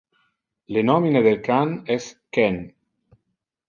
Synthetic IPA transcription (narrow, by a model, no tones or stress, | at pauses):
lenɔmineðelkanɛskɛn